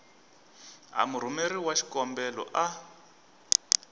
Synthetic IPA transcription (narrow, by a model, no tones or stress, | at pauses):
ɦa̰muɾ̤umeɾiwaʃi̥kɔmbɛlɔ̰ʔa